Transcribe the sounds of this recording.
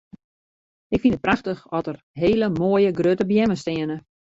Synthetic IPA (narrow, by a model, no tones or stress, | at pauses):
ʔɪkfinət̚praxtəxɔtər | ɦeːləmoːəjəɡrøtəbjɛməstɪənə